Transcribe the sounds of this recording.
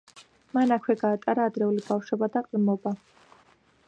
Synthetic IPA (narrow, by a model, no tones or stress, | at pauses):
manakʰwɛɡaːt̪ʼaɾaːd̪ɾɛulibafʃwɔbad̪aqʼlmɔba